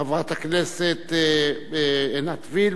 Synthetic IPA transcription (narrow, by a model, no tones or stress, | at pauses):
avʁat̪akneset̪ | enat̪vil